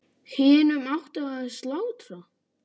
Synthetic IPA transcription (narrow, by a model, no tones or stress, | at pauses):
hɪːnʏmawht̪aaðslaːwt̪ɾa